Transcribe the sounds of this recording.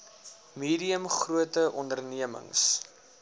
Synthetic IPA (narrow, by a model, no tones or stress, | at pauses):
miːdiəmχruətəʔɔndərniəmə̰ŋs